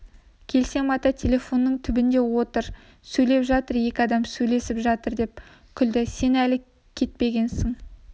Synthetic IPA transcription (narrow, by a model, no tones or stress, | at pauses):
kʲʰe̞lse̞mɑt̪ɑt̪ʲʰe̞lʲe̞fo̞nːəɴt̪ʰʏbɪnd̪e̞wo̞t̪əɾ | sɵjle̞pʒɑt̪əɾje̞kʲɪɑd̪ɑmsɵjle̞sɪpʒɑt̪əɾd̪e̞p | kʲʰʏld̪ɪse̞nælɪ | kʲʰe̞t̪̚pe̞ɡʲe̞nsɪŋ